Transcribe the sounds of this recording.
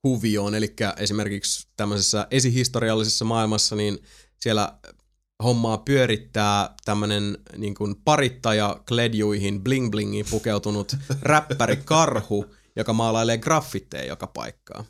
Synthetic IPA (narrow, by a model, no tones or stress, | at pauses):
huʋio̞ːnelikːæʔe̞sime̞rkikst̪æmːøsesːɑʔe̞siɦist̪o̞ɾiɑlːisesːɑmɑːilmɑsːɑniːn | sielæ̰ | homːɑːpyøɾit̪ːæːt̪æmːønenniːŋkunpɑrit̪ːɑjɑklediuiɦinbliŋbliŋːipukewt̪unut̪ræpːæɾikɑrhu | jokɑmɑːlɑileːɡrɑfːit̪ːḛːjo̰kɑpɑ̰ikːɑ̰ː